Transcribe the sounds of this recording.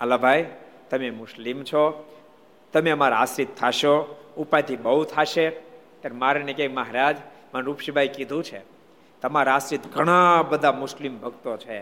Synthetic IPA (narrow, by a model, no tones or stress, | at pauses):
əlabʱajt̪əmemʊslimt͡ʃʰo | t̪əmeəmaɾaasɾit̪ʰːaʃoupajt̪ʰibəɦut̪ʰaʃe | k̪aɾmaɾenekekməɦɾad͡ʒpənɾupʃibʱajkid̪ʱũt͡ʃʰḛ | t̪əmaɾaasɾit̪ɡʱəɽ̃ãbəd̪ʱamʊslimbʱəɡt̪ot͡ʃʰe